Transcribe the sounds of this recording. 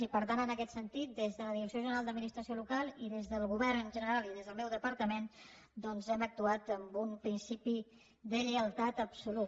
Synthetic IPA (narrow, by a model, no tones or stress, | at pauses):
ipəɾt̪anənəkɛt̪sənt̪it̪̚d̪ezðələðiɾəksioʒənəɾalˠd̪əd̪minist̪ɾəsiolukalˠiðezðəlˠɣuβɛrnʒənəɾalˠiðezðəlˠmɛwðəpəɾt̪əmen | d̪ɔnzɛmək̚t̪uat̪əmbumpɾinsipi | d̪əʎəəlˠt̪at̪əpsulut̪